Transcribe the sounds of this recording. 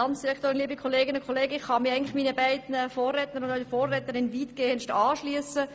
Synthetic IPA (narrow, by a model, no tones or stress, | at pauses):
ɑnt͡sd̥iɾɛkʰt̪oːɾɪnliːbikʰɔleːɡɪnʊnkʰɔleːɡəɪχːɑmɪʁɛɪŋnlɪχmiːnəbæɪdnfoːrːɛtnəɾʊndœəfoːrɛːtəɾɪnʋiːtɡ̥eːənʃtɑːʃlyəsə